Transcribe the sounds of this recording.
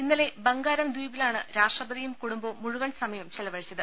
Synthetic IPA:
inːɐle̞bɐŋɡaːɾɐmd̪ujbilaːɳɨɾaːʂʈrɐbɐd̪ijumkuɽumbomuɻuʋɐɳsɐmɐjɐmt͡ɕelɐʋɐɻit͡ɕːɐðɨ

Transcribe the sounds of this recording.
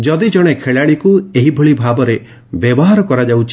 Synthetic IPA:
d͡ʒɔd̪id͡ʒɔɽ̃ekʰeɭaɽikueɦibʱoɭibʱabɔɾe | bjɔbɔɦaɾɔkɔɾad͡ʒawt͡ʃʰi

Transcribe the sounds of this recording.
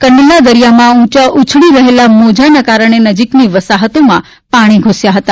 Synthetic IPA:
kənːilad̪əɾijamãũt͡ʃaʔut͡ʃʰɭiɾəɦelamod͡ʒanakaɾəɳ̃enəd͡ʒikniʋəsaɦət̪omã | paɽ̃iɡʱosjaɦət̪a

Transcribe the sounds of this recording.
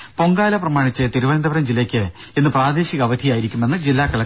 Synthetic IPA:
po̞ŋɡaːlɐprɐmaːɳit͡ɕːɨt̪iɾuʋɐnɐnd̪ɐʋɐɾɐmd͡ʑilːɐkʲːɨenːɨpraːd̪e̞ːɕiɣɐʋɐd̪ʱijaːjiɾikʲːumenːɨd͡ʑilːaːkːɐlɐ

